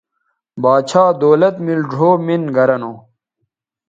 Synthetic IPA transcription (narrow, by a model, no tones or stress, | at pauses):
baːt͡ɕʰaːd̪oːlɐt̪milɖʱoːminɡɐɾɐnoː